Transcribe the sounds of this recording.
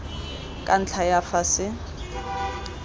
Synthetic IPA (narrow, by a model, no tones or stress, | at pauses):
kʼan̩t͡ɬʰajafasɪ